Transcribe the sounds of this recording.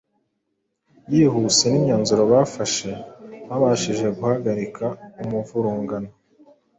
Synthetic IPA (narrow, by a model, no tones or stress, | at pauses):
jiːɦusenimɲaːnzuɾo̞βafaʃe̞βaβaʃiʒe̞ɡuhaɡaɾikʰaumuvuɾuːŋɡana